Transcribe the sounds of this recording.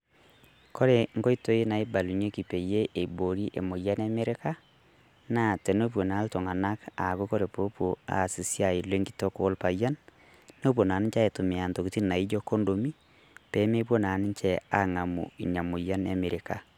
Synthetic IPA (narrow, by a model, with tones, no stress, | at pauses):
kʰo˦ɾe˨ŋɡo˦i˦to˨e˦na˨i˦ba˨lu˨ɲe˦ki˨pe˨je˦ʔe˨bo˨ɾi˦ʔe˨mo˨ja˦n˦a˦me˦ɾe˦ka˦ | na˦te˨no˦p̬o˨na˨˦lto˨ŋa˨na˦ka˨ko˦ko˦ɾe˨po˦pwo˨a̰˨si˨sja˨i˨lwe˦ŋɡi̥˦to˦ko˦lpa˨ja˦n | no˦p̬o˨na˨ni˦ɲt͡ʃa˦e˨to˨me˨a˨nto˨ki˨ti˦na˨i˦d͡ʒo˦ko˦ndo˨mi˦ | pe˨˦me˦p̬wo˦na˨ni˦t͡ʃɛ˨a˨ŋa˨mṵ˨ḭ˨ɲa˨mo˨ja˦na˦me˨ɾe˨ka˨